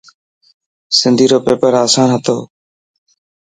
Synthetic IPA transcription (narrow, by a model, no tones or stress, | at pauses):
sɪnd̪ʱiːɾoːpeːpəɾaːsaːnɦət̪oː